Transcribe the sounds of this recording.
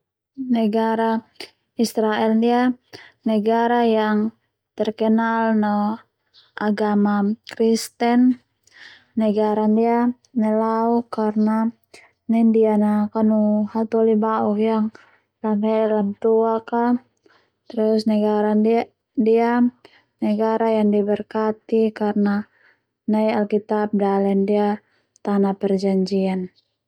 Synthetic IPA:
nɛɡaɾa | isɾaɛlndianɛɡaɾajaŋ | t̪ɛrkənalnɔ | ʔaɡamakɾist̪ɛn | ɛɡaɾandia | nɛlaukarna | nɛndianakanuhalt̪ɔlibauhjaŋ | lamɛlant̪uaka | t̪ɾusnɛɡaɾan | dia | nɛɡaɾajaŋdibərkat̪ikarna | najalkit̪ap̚dalɛndia | t̪anapɛrd͡ʒaɲd͡ʒian

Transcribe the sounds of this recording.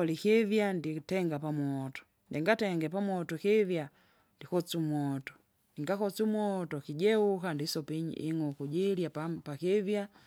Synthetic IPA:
likivjanditɛŋɡapamwɔtɔ̥ | ndiŋɡatɛŋɡɛpamwɔtɔkivja | ndikɔt͡sumwɔtɔ̥ | niŋɡakɔt͡sumwɔtɔkiɟɛukandisɔpiɲḭḭŋɔkuɟiljappakivja

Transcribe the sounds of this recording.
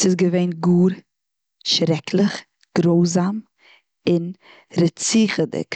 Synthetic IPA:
sɪsɡəveɪnɡuːɾ | ʃɾɛkʰlˠəχ | ɡ̥ɾoʊzam | ɪn | ɾət͡siːχədɪ̰k

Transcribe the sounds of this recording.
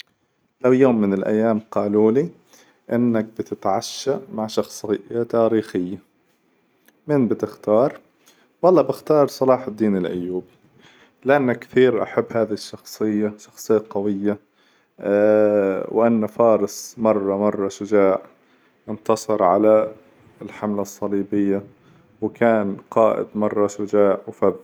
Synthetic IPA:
lawjoːmːɪnɪlʔa̰jːaːmqɑːluːli | ʔɪnːak̚bɪt̪ɪt̪ʕaʃːamaʕʃɑxsˤɨjat̪aːɾiːxɪjːa | mɪnbɪt̪ɪxt̪ɑːɾˤ | wɑlˤːɑːbɪxt̪ɑːɾˤsˤɑlɑːħɪd̪ːiːnɪlʔʊ̰jːuːbi | lɪʔanːakːθiːɾʔa̰ħabːhaːðihɪʃːɑxsˤɨjːaʃɑ̥xsˤɨjːaqɑwɪjːa | wʔanːafɑːɾˤɑsˤmɑrˤːɑmɑrˤːɑʃʊd͡ʒaːʕ | ʔɪnt̪ɑsˤɨɾʕa̰la | ɪlħamlasˤːɑliːbɪjːa | wkaːnqɑːʔɪ̰d̪mɑrˤːɑʃʊd͡ʒaːʕwfað

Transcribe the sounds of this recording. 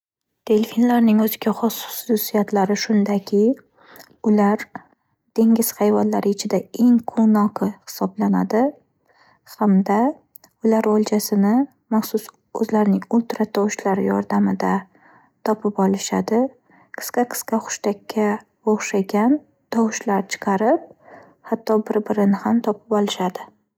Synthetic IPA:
t̪ʰelʲfinlaɾnɪŋɵzɪɡʲaχɒsʊ̥ʊ̥sʊsijat̪laɾɪʃʊnd̪akʲʰɪ | ʊlaɾ | d̪̥e̞ŋʲɪz̥hajvanlaɾʔɪɪt͡ʃʰɪd̪ae̞ŋqʰonɒqʰɨhɪ̥sɒblanad̪ɪ | hamd̪a | ʊlaɾolˠt͡ʃʰasɪnɪ | maχsʊs | ɵzlaɾnɪŋʊlˠt̪ɾat̪ʰɒwʃlaɾjɒ̰ɾd̪amɪd̪a | t̪ʰɒpʰɪpɒlˠɪʃa̰d̪ɪ | qʰɨ̥skɑqʰɨ̥skaχʊ̥ʃt̪akʲːa | bɒʁʃaɡʲan | t̪ʰɒwʃlaɾt͡ʃʰɨ̥qʰɑɾɪp̚ | hat̪ʰːɒbɪɾbɪɾɪnɪhamt̪ʰɒpʰɪpɒlˠɪʃad̪ɪ

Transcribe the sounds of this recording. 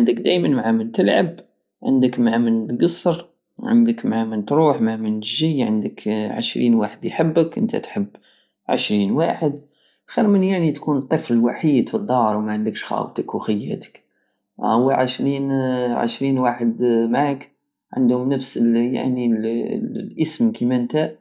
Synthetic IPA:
ʕənd̪əkd̪æjmənmʕamənt̪əlʕə̰b | ʕə̰nd̪əkmʕamənt̪ɡəsˤːəɾ | ʕə̰nd̪əkmʕamənt̪ɾuːħmʕamənʒijʕə̰nd̪əkʕə̰ʃɾḭːnwaħəd̪jħəbːəkʔə̰nt̪ʰæ̰t̪ħəbː | ʕə̰ʃɾinwaħəd̪̚ | xiɾmənjaʕnit̪kunt̪ˤːəfləlwaħiːd̪fid̪ˤːɑɾˤwmæʕənd̪əkʃxɑ̰wt̪əkuxəjːæ̰t̪ə̥k | ʔəwːæʕəʃɾinʕə̰ʃɾinwaħəd̪mʕak | ʕə̰nd̪hʊmnəfsəlja̰ʕni | lʔəsmkimæʔnt̪æ

